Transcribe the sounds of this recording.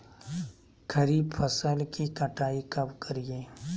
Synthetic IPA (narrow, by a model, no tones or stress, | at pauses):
kʰəɾiːbpʰəsəlkikəʈaːikɐbkəɾijeː